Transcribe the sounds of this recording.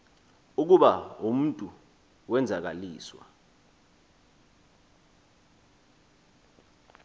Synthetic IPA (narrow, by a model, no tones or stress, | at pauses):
uk̬uɓaum̩ntʼu | wɛnd͡zʱak̬aliːswa̰